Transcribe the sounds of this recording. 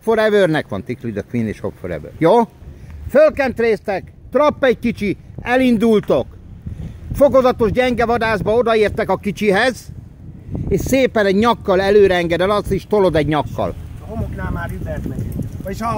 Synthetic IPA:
foɾɛvøːrnɛkʋɒ̰nt̪iklid̪ɒkʋinḛːʃhopfoɾɛ̰vø̰ːrjoːfølkɛnt̪reːst̪ɛkt̪rɒpːɛɟ̚kit͡ʃiɛlind̪ult̪o̞k | fo̞ɡozɒt̪o̞ʒɟɛŋɡɛvɒd̪aːzbɒo̞d̪ɒeːrt̪ɛkɒkit͡ʃiɦɛz | eːʃseːpɛnɛɟɲɒkːɒlɛløːɾɛɛŋɡɛd̪ɛlɒst̪eʃt̪olo̞d̪ɛɟɲɒkːɒ̰lɦomoknaːmaːɾybɛrt̪mɛɲeeʃ

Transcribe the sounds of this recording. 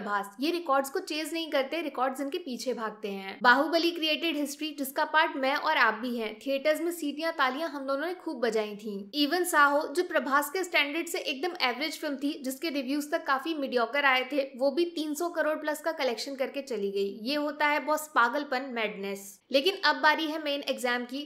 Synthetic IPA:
bʱaːsjeɾɪkɔːɾɖzkot͡ʃeːznɐɦĩkɐɾt̪eɾɪkɔːɾɖzɪnkepiːt͡ʃʰebʱaːɡ̚t̪eɦɛ̃ːbaːɦubəlikɾieːʈɪɖɦɪsʈɾid͡ʒɪskapaːɾʈmɛ̃ʔɔːɾaːp̚bʱiɦɛ̃ːʈʰieːʈəɾzmẽsiːɾijãt̪aːlijãɦɐmd̪oːnõnẽkʰuːbːɐd͡ʒaːĩt̪ʰĩːiːʋənsaːɦod͡ʒoːpɾɐbʱaːskesʈɛ̃ːɳɖəɾɖseʔeːk̚d̪əmɛːʋɾɪd͡ʒfɪlmt̪ʰid͡ʒɪskeɾɪʋjuːzt̪ɐkːaːfimɪɖijɔːkəɾaːet̪ʰeʋoːbʱit̪iːnsɔkɐɾoːɽplɐskakɐlɛːkʃənkɐɾket͡ʃɐliɡɐijeɦoːt̪aɦɛbɔːt̪spaːɡəlpənmɛːɖnɛːs | leːkɪnɐbːaːɾiɦɛmeːnɛɡzɛːmki

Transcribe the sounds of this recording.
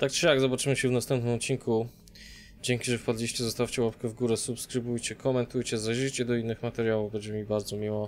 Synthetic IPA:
t̪ak̚t͡ʂɨjaɡzɔbat͡ʂɘmɘɕɛvnast̪ɛmpnɘmɔt̪t͡ɕiŋkʰu | d͡ʑɛŋkʲiʐɛfpad̪lʲiɕt͡ɕɛzɔst̪aft͡ɕɛwapkɛvɡuɾɛsupskɾɘbujt͡ɕɛkʰɔmɛnt̪ujt͡ɕɛzaʒit͡ɕɛd̪ɔinːɘxmat̪ɛɾjawuvbɛɲd͡ʑɛmʲibaɾd̪zɔmʲiwɔ

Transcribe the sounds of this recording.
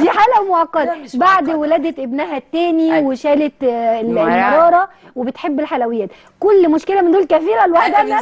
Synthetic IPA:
d̪iːħaːlæmʔɑqːɑd̪baʕd̪welæːd̪æʔebnæɦæt̪ːæːniweʃæːlet̪ | mɑɾˤɑːɾˤɑ | webet̪ħebːelħalæwɪjːæːt̪ | kʊlːmoʃkelæmɪnd̪uːlkæfiːɾælwaħd̪æ

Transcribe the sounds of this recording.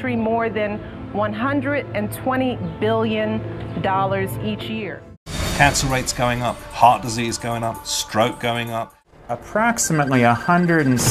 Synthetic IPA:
ɹimɔɹðɨ̃n | wʌ̃nɦʌ̃ndɹɨɾɨ̃ntʰw̥ɛ̃ɾ̃ibɪlˠjɨ̃ndɔlˠə˞zit͡ʃjɪɹ | kʰæ̃nsl̩ˠɹeɪtsɡ̥oʊɪ̃ŋʌp̚hɑt̚d̥ɨzizɡoʊɪ̃ŋʌp̚stɹ̥oʊt̚ɡ̥oʊɪ̃ŋʌp̚ | əpʰɹ̥ɑksəmətˡliəhʌ̃ndɹɨɾ̃n̩s

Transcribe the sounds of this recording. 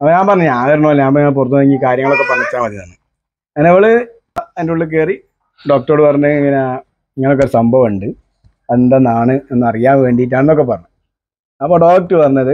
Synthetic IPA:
ɐpːoɲaːmpɐrɐɲːɨɲaːneɾɐnːoːilːɲaːnɐpːoiŋːɐɳep̬urɐt̪ːuɐiŋɡikaːɾjɐŋɐɭo̞kːepɐɳːit͡ɕːaːmʋɐt̪ːinɐnːɨ | enːɐiʋɐɭɨ | endeuɭːɨk̬eːri | ɖo̞ːk̚ʈɐoːɽɨpɐrɐɲːuiŋːɐnea | iŋːɐneokːeoɾusɐmbʱɐʋuɳɖɨ | end̪ɐnaːɳɨenːɨɐrijaːnʋe̞ːɳɖiːaːnenːo̞kːep̬ːɐrɐɲːu | ɐpːo̞ːɖo̞ːk̚ʈːɨpɐrɐɲːɐðɨ

